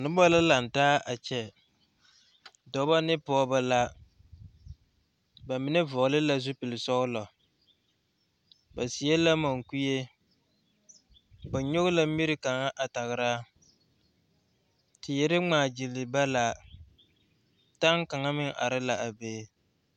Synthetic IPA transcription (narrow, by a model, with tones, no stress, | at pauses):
nʊ˦bɔ˦la˦la˨n˨taː˦ʔa˨t͡ʃɛ˨ | dɔ˨˦ba˦nɪ˦pɔː˦ba˦la˦ | ba˨mɪ˨nɪ˦vʊ˨ʔlɪ˦la˦zʊ˦pɪ˨lɪ˨sɔ˦ʊ˦lɔ˨ | ba˨si˨˦e˦la˦ma˨ŋku˦je˦ | ba˨ɲo˦ɣʊ˦la˦mi˦ɾɪ˦ka˨ŋa˦ʔa˨ta˨ɣɪ˨ɾaː˦ | tɪ˨jɛ˨ɾɪ˦ŋ͡maː˨d͡ʒi˨lɪ˨ba˦la˨ | ta˦ŋka˨ŋa˦mɪ˦ŋa̰˨ɾɪ˦la˨ʔa˨beː˦